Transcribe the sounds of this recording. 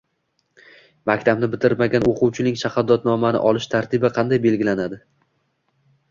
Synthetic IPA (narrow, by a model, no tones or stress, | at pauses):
makʲt̪ʰabnɪbɪt̪ʰɪɾmaɡʲanoqʰʊwt͡ʃʰɪnɪŋʃahad̪ːɒt̪nɒmanɪ̰ʔɒlˠɪʃt̪ʰaɾt̪ʰɪbɪqʰɑnd̪ajbe̞lɡʲɪlanad̪ɪ